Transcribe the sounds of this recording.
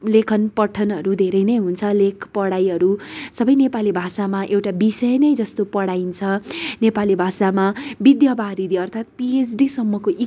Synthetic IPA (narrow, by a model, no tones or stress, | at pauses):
lekʰʌnpʌʈʰʌnɦʌɾud̪ʱeɾʌjnʌjɦunt͡sʰʌlekʰpʌɽajɦʌɾusʌbʌjnepalibʱasamaʔewʈabisʌjʌnʌjd͡zʌst̪opʌɽaint͡sʰʌnepalibʱasamabid̪jʌbaɾid̪iʌrt̪ʰat̪̚pies̬ɖisʌmːʌkoʔi